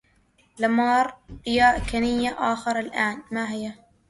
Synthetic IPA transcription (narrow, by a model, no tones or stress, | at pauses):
lamɑːɾˤɪjaːʔkanɪjːaʔaːxɑɾˤɑlʔaːnmaɦɪjːa